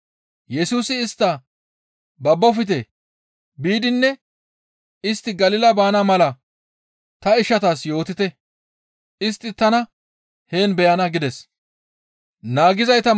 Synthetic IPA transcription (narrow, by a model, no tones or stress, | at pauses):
jɛsuːsɪːst̪ːɐ | bɐbːɔfɪt̪ɛ | biːd̪ɪnːɛ | ɪst̪ːɪɡɐlɪlɐbaːnɐmɐlɐ | t̪ɐɪʃːɐt̪aːsjo̞ːt̪ɪt̪ɛ | ɪst̪ːɪt̪ɐnɐ | he̞ːnbɛjɐnɐɡɪd̪ɛs | naːɡɪzɐjt̪ɐ